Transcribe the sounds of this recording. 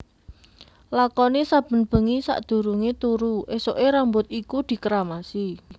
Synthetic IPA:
lakɔnesab̥ə̤nb̥ə̤ŋisa̰ʔd̪̥ṳɾuŋet̪uɾuʔesoʔeɾambʊt̪̚ikud̪̥i̤kəɾamasi

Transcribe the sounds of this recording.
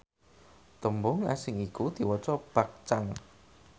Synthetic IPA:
t̪əmbʊŋa̰sɪŋikud̪̥i̤wɔt͡ʃɔb̥a̤k̚t͡ʃaŋ

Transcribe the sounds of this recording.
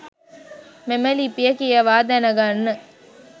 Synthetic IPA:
memɐliːpijɐkijɐʋaːd̪ænɐɡanːə

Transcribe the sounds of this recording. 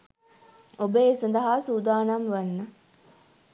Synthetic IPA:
obəesɐnd̪ɐɦaːsuːd̪aːnamʋɐnːə

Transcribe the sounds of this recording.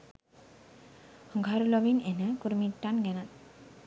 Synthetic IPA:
hŋɡʱaɾulɔbinenakuɾmiʈːanɡɛnan

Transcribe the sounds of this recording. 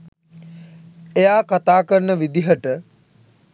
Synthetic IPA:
ejaːkat̪aːkəɾnəʋid̪iɦəʈə

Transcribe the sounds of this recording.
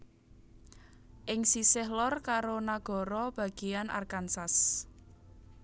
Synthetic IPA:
ʔɪŋsisɪɦlɔrkaɾonaɡ̥ɔ̤ɾɔb̥a̤ɡ̥ianʔa̰rkansas

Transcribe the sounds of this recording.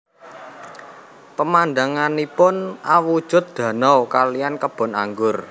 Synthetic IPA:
pəmanɖ̪aŋanipʊnawud̥ʒ̥ʊ̤t̪̚d̪̥ä̤nɔwkalijankəb̥ɔ̤na̰ŋɡʊr

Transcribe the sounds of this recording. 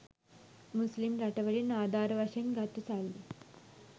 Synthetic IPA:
muslimɾɐʈɐʋɐɾinaːd̪ʱaːɾɐʋaʃɐnɡʱat̪ut͡salːi

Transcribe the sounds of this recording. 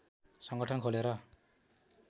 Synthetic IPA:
sʌŋɡʌʈʰʌnkʰoleɾʌ

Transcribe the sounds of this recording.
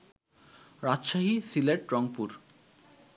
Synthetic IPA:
ɾad͡ʑʃaɦisileʈɾɔŋpuɾ

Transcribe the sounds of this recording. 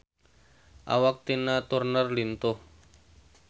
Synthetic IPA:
ʔa̰wak̚t̪inat̪urnərlint̪ʊh

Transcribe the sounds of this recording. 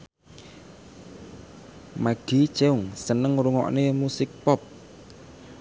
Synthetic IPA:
maɡ̥it͡ʃeʊŋsənəŋɾuŋɔ̰ʔnemusɪk̚pɔp̚

